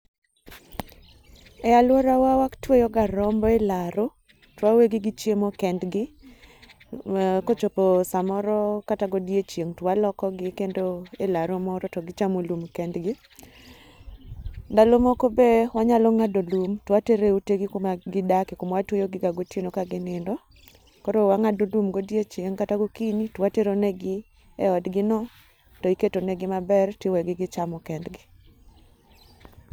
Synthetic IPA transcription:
ɛalwɔɾawawaktwejɔɡaɾɔmbɔelaɾo | twaweɡɪɡɪt͡ʃjemokɛndɡɪ | kot͡ʃopɔsamɔɾɔkataɡodiet͡ʃjeŋtwalɔkɔɡɪkendoelaɾomɔɾɔtɔɡɪt͡ʃamolumkɛndɡɪ | ndalomokobewaɲalɔŋadolumtwateɾeuteɡɪkomaɡɪdakɪkomwatwojoɡɪɡaɡotjenokaɡɪnɪndɔ | kɔɾowaŋadolumɡodijet͡ʃeŋkataɡokiɲitwateɾonɛɡɪ | eɔdɡɪnɔ | tɔiketonɛɡɪmabɛrtewɛɡɪɡɪt͡ʃamɔkɛndɡɪ

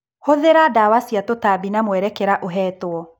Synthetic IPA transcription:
hoðeɾadawasiatotabinamwɛɾɛkɛɾaʔoɦɛːtoɔ

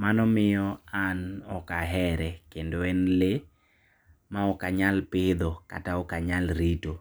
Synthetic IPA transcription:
manɔmɪjɔanɔkaɦɛɾɛkendoɛnle | maɔkaɲalpɪd̪ɔka̰taɔkaɲalɾito

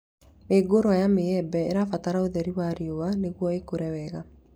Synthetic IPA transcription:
meɡoɾoajameɛbɛḛɾafataɾaoðɛɾiwaɾiowaneɣwɔekoɾɛwɛɣa

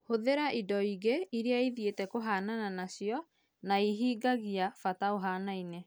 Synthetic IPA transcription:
hoðeɾaʔidɔiɣeiɾeaiðjetɛkoɦaːnananaɕjɔ | naiɦiːɡaɣiafataoɦaːnaine

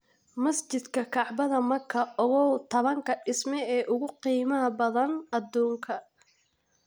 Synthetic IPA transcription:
mɐst͡ʃɪd̪kʰɐkʰɑʕbɐðɐmɐrkʰɐɔɣɔwt̪ʰɐβɐŋkʰɐɪsmɛɛːʔʊɣʊqiːmɐɦɐbɐðɐnɐd̪ɔːŋkʰɐ

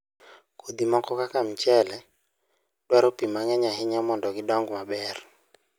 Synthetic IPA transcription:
kod̪imɔkɔkakam̩t͡ʃɛlɛ | ɗwaɾopimaŋɛɲaɦɪɲɔmɔndɔɡɪdɔŋɡmabɛr

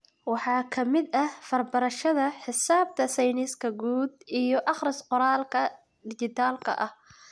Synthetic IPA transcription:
wɑħɑːkʰɐmɪd̪ɐfɐrbɐɾɐʃɐðɐħɪsaːb̚t̪ʰɐsɛjnɪskʰɐɡuːd̪ʔijɞʔɑχɾɪsqʊɾaːlkʰɐ | d̪ɪt͡ʃɪt̪ʰaːlkʰɐ̰ʔɐh

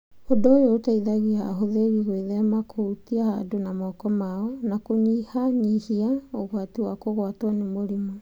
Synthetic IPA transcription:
odoːjoːtaiðaɣihaɦoðeɾiɣweðɛmakʰoutiaha̰donamɔkɔmaɔnakoɲihaɲihiaoɣwatiwakoɣwatwanemoɾima

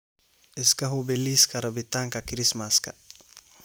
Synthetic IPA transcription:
iskaɦubeliskaɾɐbit̪aŋkakiɾismaska̰

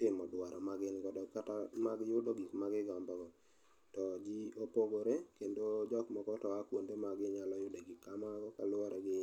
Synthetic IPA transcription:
tɪmɔdwaɾɔmaɡɪnkɔdɔkatamaɡɪjʊdɔɡikmaɡɪɡɔmbɔɡɔ | tɔd͡ʒiopoɡoɾekendod͡ʒɔkmɔkɔtɔakwondemaɡɪɲalɔjʊdeɡikːamaɡɔkalʊɔɾɛɡɪ

